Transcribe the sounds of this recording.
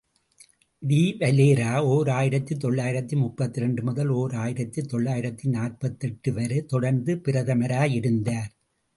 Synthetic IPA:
d̪iːʋɐleːɾaːoːɾaːjɪɾɐt̪ːit̪ɔɭːaːjɪɾɐt̪ːimʊtpːɐt̪ːɪɾɛɳɖɯmʊðɐloːɾaːjɪɾɐt̪ːit̪ːɔɭːaːjɪɾɐt̪ːinaːrpɐt̪ːɛʈːɯʋɐɾɯt̪ɔɽɐɾnd̪ɯpɪɾɐðɐmɐɾaːjɪɾɯnd̪aːɾ

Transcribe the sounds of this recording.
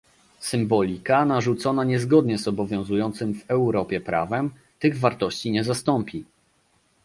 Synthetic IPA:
sɘmbɔlʲikanaʐut̪sɔnaɲɛzɡɔd̪ɲɛzɔbɔvʲjɔ̃zujɔnt̪sɘmvɛwɾɔpʲjɛpɾa̰vɛm | t̪ɘɣvaɾt̪ɔɕt͡ɕiɲɛzast̪ɔmpʲi

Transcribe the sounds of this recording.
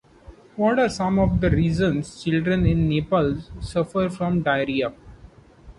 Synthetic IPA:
ʋɔːʈaːɾsʌ̃mɔʋd̪əɾiːzə̃nst͡ʃɪlɖɾə̃nɪ̃nːeːpəlssʌfəɾfɾɔ̃mɖaɪɾia

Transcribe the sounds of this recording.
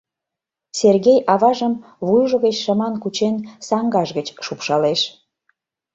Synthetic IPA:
serɣejʔɑβɑʒəm | βujʒə̆ɣət͡ɕʃɑmɑnkut͡ɕensɑŋɡɑʒɣət͡ɕʃupʃɑleʃ

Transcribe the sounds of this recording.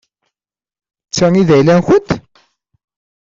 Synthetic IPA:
t͡sːæŋiðæjlænçənt̪

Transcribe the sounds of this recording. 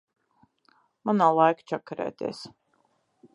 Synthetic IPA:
manaːlˠajkt͡ʃakɾɛ̰ːt̪ʲɛ̰ːs

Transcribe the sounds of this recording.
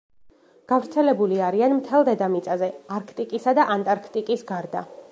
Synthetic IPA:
ɡ̥avɾt̪sʰɛlɛbuliaɾianmt̪ʰɛlˠd̪ɛd̪amit̪sʼazɛaɾkʰt̪ʼikʼisad̪aʔant̪ʼaɾkʰt̪ʼikʼisɡaɾd̪a

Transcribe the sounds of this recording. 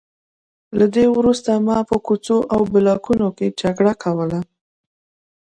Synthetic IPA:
lad̪ewɾust̪amɑpəkut͡soʔawbɪlɑkunoked͡ʒaɡɽakʰawəla

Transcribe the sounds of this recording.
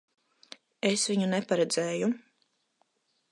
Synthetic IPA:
esvʲiɲunɛpaɾɛd̪zeːju

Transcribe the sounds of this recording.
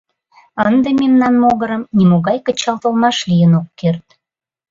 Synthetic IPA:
ənd̪ememnɑnmoɣəɾəmnʲimoɣɑjkət͡ɕɑlt̪əlmɑʃlʲijənokːert̪̚

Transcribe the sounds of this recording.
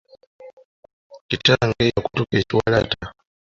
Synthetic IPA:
itaŋɡejakutukeciwa̰la̰ta

